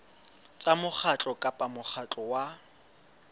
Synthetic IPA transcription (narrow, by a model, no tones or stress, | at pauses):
t͡sʼamʊk͡xat͡ɬʼɔkʼapʼamʊχʰat͡ɬʼɔwa